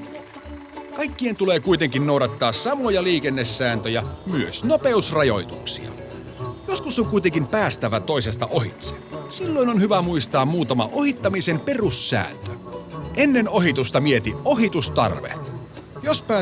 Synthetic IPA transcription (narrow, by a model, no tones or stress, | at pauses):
kɑjkːie̞nt̪uleːkujt̪eŋkinːowɾɑt̪ːɑːsɑmojɑliːk̟enːesːæːnt̪øjæmyøsnope̞usrɑjo̞jt̪uksḭɑ̰ | joskuso̞ŋkujt̪eŋkimpæːst̪æʋæt̪o̞ise̞st̪ɑʔo̞ɦḭt̪sesilːo̞inonhyʋæmuist̪ɑːmːmuːt̪ɑmɑ̰ʔo̞hit̪ːɑmise̞mpe̞rusːæ̰ːnt̪øʔenːe̞no̞ɦit̪ust̪ɑmie̞t̪io̞ɦit̪ust̪ɑ̰rʋḛ | jospæː